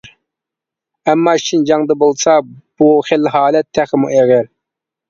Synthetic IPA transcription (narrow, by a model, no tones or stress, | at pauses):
ɛmːɑʃind͡ʒɑŋd̪ɑbolˠsɑb̥uχelɦɑːlɛt̪ʰːæχəmuɛɡʲæɾ